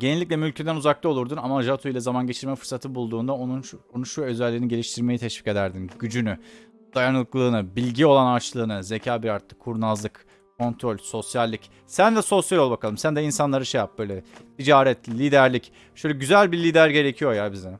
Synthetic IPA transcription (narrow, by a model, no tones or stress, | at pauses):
ɟenilʲːic̬ʲlʲɛmylʲcʰed̪ænuzaklˠɯo̞lˠuɾd̪unamaʒat̪ʰuilʲˠɛzamanɟe̞t͡ʃʰiɾmɛfɯɾsat̪ʰɯbulˠd̪uːnd̪aonuno̞nunʃuø̞zɛlʲːiːniɟe̞lʲiʃt̪ʰiɾme̞jit̪ʰɛʃv̥i̥ce̞d̪æɾd̪inɟyd͡ʒyny | d̪ajanɯlˠɯklˠɯːnɯbilʲɟio̞lˠanaɾt͡ʃlˠɯːnɯze̞cʰaːbiɾaɾt̪ːˠɯkʰːuɾnazlˠɯk | kʰo̞nt̪ʰɾo̞lʲso̞sjalʲːic | sænd̪ɛso̞sjalʲobakʰalˠɯmsænd̪ɛinsanlˠaɾɯʃejap̚b̥ø̞jlʲɛt̪ʰid͡ʒaːɾɛt̪lʲiːd̪æɾlʲic | ʃøjlʲɛɟyzælʲbilʲiːd̪æɾɟe̞ɾe̞cʰijo̞jaːbizɛ